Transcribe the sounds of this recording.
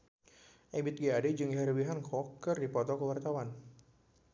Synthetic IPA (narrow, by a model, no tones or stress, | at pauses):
ʔɛbɪt̪̚ɡiadɛd͡ʒɨŋiɦaɾəbiɦankɔkːɨrdipɔt̪ɔkəwart̪awan